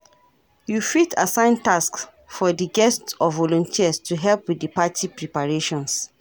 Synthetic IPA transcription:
jufitasãɪ̃ntask | fɔdiɡɛstsɔvːɔlɔ̃ntʰiəstʰuɦɛlpwiddipatʰipɹipaɹeʃɔ̃ns

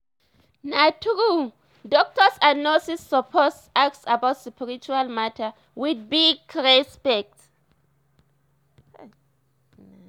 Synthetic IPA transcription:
natʰuku | dɔk̚tʰɔsanosisːɔpʰɔs | ak̚sabatspʰiɹit͡ʃualmatʰa | widbiɡɹɛspɛk̚t

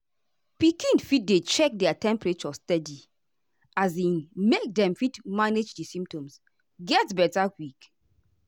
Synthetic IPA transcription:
pikĩnfit̚det͡ʃɛk̚dɛatɛ̃mpɹet͡ʃɔstɛdi | azĩnmek̚dɛ̃mfitmaned͡ʒdisĩmp̚tɔ̃ms | ɡɛtbɛtakwik

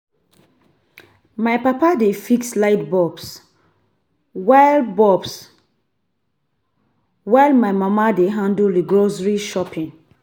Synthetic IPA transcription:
maɪpapadefikslaɪtbɔbs | walbɔbs | waɪlmaɪmamadeɦãnduldiɡɹosɹiʃɔpʰĩŋ

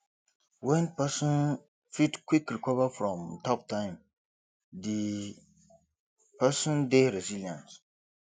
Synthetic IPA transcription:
wɛnpasɔn | fitkʷikɾikɔvafɾɔ̃mtap̚taɪm | di | pasɔndɛɾɛzilãns

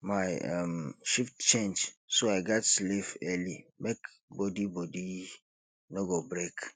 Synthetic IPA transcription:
maɪa̰mʃiftt͡ʃẽnd͡ʒsoaɪɡatslifɛlimek | bodibodi | noɡobɾek

